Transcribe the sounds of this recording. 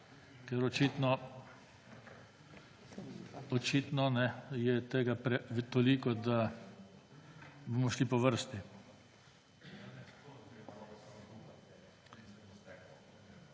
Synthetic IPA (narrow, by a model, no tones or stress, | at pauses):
kɛɾɔt͡ʃit̪nɔ | ɔt͡ʃiːt̪nɔnɛjɛt̪eːɡapɾɛt̪ɔlikɔd̪a | bɔmɔʃlipɔʋəɾst̪i